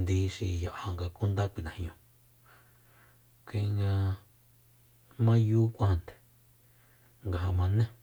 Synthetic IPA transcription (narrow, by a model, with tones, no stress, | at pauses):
nd̪i˧ʃi˧˨jo˨ʔha˧ŋɡa˧ku˦nd̪a˦kʷi˨nã˨hɲõ˧ | kʷĩ˧˦ŋɡã˧ | mã˦juː˦kʷa˦hnd̪e̥˨ | ŋɡa˧ɦa˧mã˧nẽ˦